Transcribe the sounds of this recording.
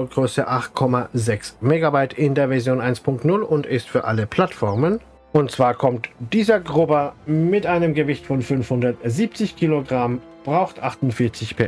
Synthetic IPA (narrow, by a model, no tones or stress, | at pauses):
ɡ̥ʁøːsəʔaχt̚kʰɔmazɛksmeːɡabaɪtʰɪndeːɐvɛɐzjoːnʔaɪnspʰʊŋk̚tnʊlʊntɪstfyːɐʔa̰ləpʰl̥atfɔɐmən | ʔʊnt̚t͡sv̥aːɐkʰɔmtd̥iːzɐɡʁʊbɐmɪtʔaɪnəmɡəvɪçtfɔnfʏnfhʊndɐtziːp̚t͡sɪçkʰiːloɡʁam | b̥ʁaʊxtʔaχtʊntfɪɐt͡sɪçpʰɛɐ